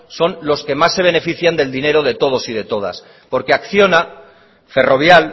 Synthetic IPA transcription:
so̞nlo̞ske̞masːe̞β̞e̞ne̞fiθjand̪e̞ld̪ine̞ɾo̞ðe̞t̪o̞ð̞o̞siðe̞t̪o̞ð̞a̰s | po̞ɾke̞akθjo̞na | fe̞ro̞β̞jal

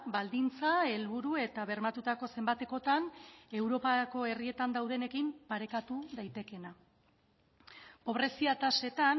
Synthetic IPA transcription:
bald̪int͡sae̞lβuɾue̞t̪aβe̞ɾmat̪ut̪ako̞se̞mbat̪e̞ko̞t̪ane̞wɾo̞pako̞e̞rie̞t̪and̪awð̞e̞ne̞kimpaɾe̞kat̪uðajt̪e̞ke̞na | po̞β̞ɾe̞siat̪ase̞t̪an

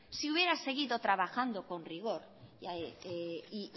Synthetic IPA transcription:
siuβje̞ɾase̞ɣ̞iðo̞t̪ɾaβaxand̪o̞ko̞nriɣ̞o̞ɾ | aei

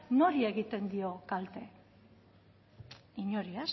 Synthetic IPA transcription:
no̞ɾie̞ɣit̪e̞nd̪io̞kalt̪e̞ | iɲo̞ɾias

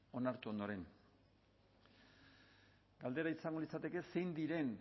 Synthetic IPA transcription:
o̞naɾt̪uo̞nd̪o̞ɾe̞n | ɡald̪e̞ɾaisaŋɡo̞lit͡sat̪e̞ke̞se̞jnd̪iɾe̞n

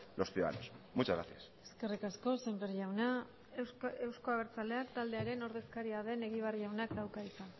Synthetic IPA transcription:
lo̞sθiuða̰ða̰nosmut͡ʃazɣɾa̰θjase̞ske̞rikasko̞sembeɾʝawna | ewsko̞aβ̞e̞ɾt͡sale̞akt̪ald̪e̞aɾe̞no̞ɾðe̞skaɾiaðe̞ne̞ɣiβ̞ariʝawnakd̪awkaisan

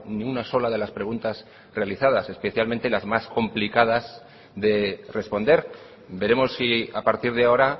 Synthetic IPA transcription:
niunaso̞laðe̞laspɾe̞ɣ̞unt̪az | re̞aliθaðase̞spe̞θjalmẽ̞nt̪e̞lazmasko̞mplikað̞az | ðe̞re̞spo̞nd̪e̞ɾ | be̞ɾe̞mo̞sːiapaɾt̪iɾð̞eao̞ɾa

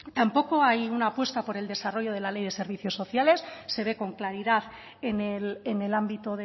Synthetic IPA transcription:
t̪ampo̞ko̞ajunaːpwe̞st̪apo̞ɾe̞ld̪e̞saro̞ʝo̞ð̞e̞lale̞jðe̞se̞ɾβ̞iθjo̞sːo̞θjale̞sːe̞β̞e̞ko̞ŋklaɾiðaθ | enelene̞lambit̪oðe

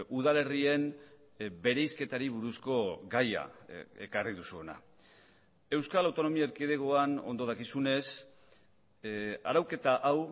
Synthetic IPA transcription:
uðale̞rie̞n | be̞ɾe̞jske̞t̪aɾiβuɾusko̞ɡaja̰e̞̰kariðusuo̞na̰ | e̞wskalawt̪o̞no̞miaeɾkiðeɣoano̞̰nd̪o̞ð̞akisune̞s | a̰ɾawke̞t̪aʔaw

